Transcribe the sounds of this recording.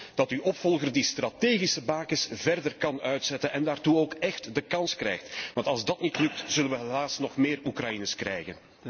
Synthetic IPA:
d̥ɑtyʔɔpfɔlˠɣərdistrɑteːɣisəbaːkɪsvɛrdərkɑnœɥtsɛtənɛndaːrtuoːkɛxtdəkɑnskrɛjxtʋɑntɑlˠzdɑtnitlɵk̚tz̥ɵlənʋəɦəlaːsnɔxmeːrukrɑjinəskrɛ̰jɣən

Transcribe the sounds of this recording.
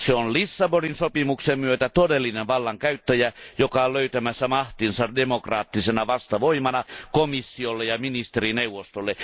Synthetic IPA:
seonlisːɑboninsopimuksemmyøt̪æt̪odelːineʋʋɑlːɑŋkæyt̪ːæjæjokɑolløyt̪æmæsːæmɑht̪insɑdemokrɑːt̪ːisenɑʋɑst̪ɑʋoimɑnɑkomisːiolːejɑminist̪erineuʋːˑost̪olːe

